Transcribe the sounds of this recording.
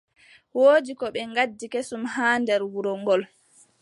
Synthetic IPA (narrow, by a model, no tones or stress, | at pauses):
woːd͡ʒikɔɓɛŋɡadːikesumhaːndɛɾwuɾɔŋɡɔl